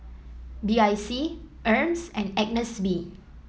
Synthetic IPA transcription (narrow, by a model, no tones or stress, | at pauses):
biajsiʔəmsɛ̃nɛk̚nəsbi